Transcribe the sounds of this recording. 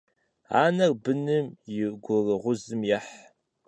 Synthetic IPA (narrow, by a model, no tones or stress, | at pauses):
a̰ːnɐrbɨnɨmjɪɡʷʊrɨʁʷʊzɨmjɛħ